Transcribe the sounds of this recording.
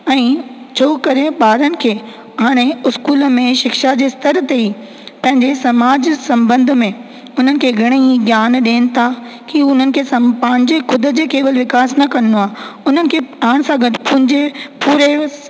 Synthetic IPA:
ɛ̃ː | t͡ɕʰoːkɐɾeɓaːɾənɪ̆kʰeː | ɦaːɽ̃eʊskuːlə̆mẽʃɪkʃad͡ʑeːst̪ɐɾt̪eiː | pɐ̃ɦɪ̃ɲd͡ʑesɐmaːd͡ʑsɐ̃mbə̃nd̪̆ʱmẽ | ʊn̤ənɪ̆kʰeːɡʱɐɽ̃eiɡjaːnɗeːnɪ̆t̪ʰa | kiʊn̤ənɪ̆kʰeːsɐpɐ̃ɦɪ̃ɲd͡ʑexʰʊd̪ə̆d͡ʑekeːʋəlʋɪkaːsnɐkɐnoaːʊnənɪ̆kʰeːaːɽ̃sãɡɐɖpʊ̃ɦɪ̃ɲd͡ʑepuːɾe

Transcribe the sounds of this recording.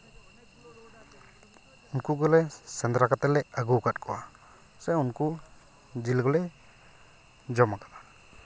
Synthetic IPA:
unkuɡɔlɛsɛnd̪ɾakat̪ɛlɛaɡukat̚kʰɔwa | sɛunku | d͡ʒilɡɔlɛ | d͡ʒɔmakaʔa

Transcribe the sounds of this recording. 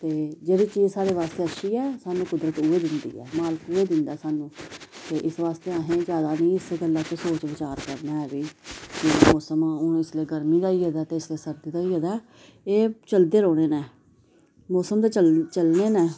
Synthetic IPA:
t̪eːd͡ʒeːɽiːt͡ʃiːzsaːɾeːʋaːst̪eːəʃiːɛːsaːnũːkʊd̪ɾət̪uːeːd̪ɪnd̪ḭːɛ̰ːmaːləkuːeːd̪ɪnd̪aːsaːnũːt̪eːʔɪsʋaːst̪eːaɦẽːd͡ʒjaːd̪aːnĩːɪseɡəlːãːt͡ʃesoːt͡ʃʋɪt͡ʃaːɾkəɾnaːɦɛːʋiːkɪmɔːsəmãːʊnːɪsleːɡəɾmiːd̪aːiːɦɛːd̪aːt̪eːɪsleːsəɾd̪iːd̪aːiːɦɛd̪aː | eːt͡ʃəld̪eːɾoːɽ̃eːnɛː | mɔːsəmd̪et͡ʃəlt͡ʃəlneːnɛ̃ː

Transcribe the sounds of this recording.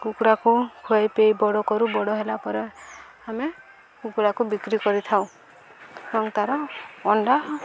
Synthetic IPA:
kukɽakukʰuajpejbɔɽɔkɔɾubɔɽɔɦelapɔɾe | ame | kukuɽakubikɾikɔɾit̪ʰaw̃ | ɔŋt̪aɾɔɔɳɖa

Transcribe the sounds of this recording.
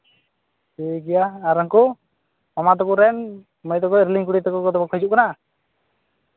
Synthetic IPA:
iɡɛjaːɾaŋkɔ | mamat̪̬ɔkuɾɛn | mɔjt̪ɔkɔɾliŋkuɽit̪ɔkɔkɔt̪ɔbɔkʰɔjd͡ʒuʔkana

